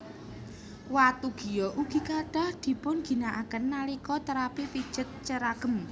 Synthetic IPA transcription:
wat̪uɡ̥i̤jɔʔuɡ̥i̤kaɖ̥ahd̪̥i̤pʊnɡ̥i̤naʔakənːalikɔt̪əɾapipid̥ʒ̥ə̤t̪̚t͡ʃəɾaɡ̥ə̤m

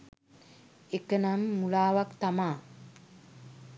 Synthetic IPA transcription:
ekənamːulaːʋakt̪amaː

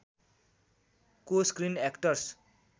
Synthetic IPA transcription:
koskrinekʈʌrs

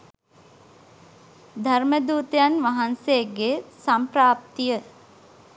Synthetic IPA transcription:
d̪ʱaɾməd̪uːt̪əjanʋaɦanseɡesampɾaːp̚t̪ijə

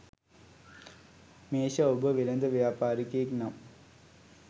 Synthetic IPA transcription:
meːɕaobəʋilɐnd̪ɐʋjaːpaːɾikːeiknɐm

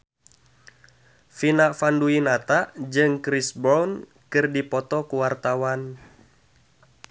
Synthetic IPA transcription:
finafanduinat̪aʔd͡ʒɨŋkɾisbɔwn | kɨrdipɔt̪ɔkuwart̪awan

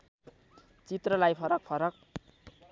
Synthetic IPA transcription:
t͡sit̪rʌlajpʰʌɾʌk̚pʰʌɾʌk̚

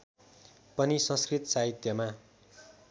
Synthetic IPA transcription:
pʌnisʌ̃skrit̪ʌsaɦit̪jʌma

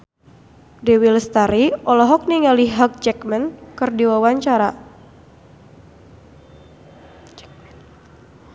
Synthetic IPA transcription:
dewilst̪aɾiɔlɔɦɔk̚niŋaliɦak̚d͡ʒɛkmənkɨrdiwawaɲt͡ʃaɾa

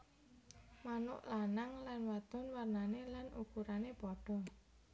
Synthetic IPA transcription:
manʊ̰ʔlanaŋlanwad̪̥ʊ̤nwarnanelanukuɾanepɔɖ̥ɔ̤

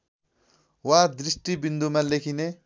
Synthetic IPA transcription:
wad̪ɾisʈibind̪ʱumalekʰine

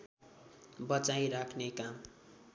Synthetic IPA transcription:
bʌt͡sajɾakʰnekam

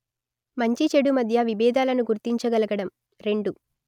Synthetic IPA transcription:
mɐɲt͡ʃit͡ʃeɽumɐd̪ʱjɐʋibɛːd̪aːlɐnuɡuɾt̪iɲt͡ʃɐɡɐlɐɡɐɽɐm | ɾe̞ɳɖu

